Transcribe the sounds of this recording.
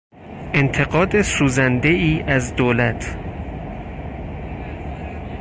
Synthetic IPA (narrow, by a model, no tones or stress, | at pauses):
ʔe̞nt̪ʰe̞ɡɒːd̪e̞suːzænd̪e̞iːʔæzd̪oːlæt̪ʰ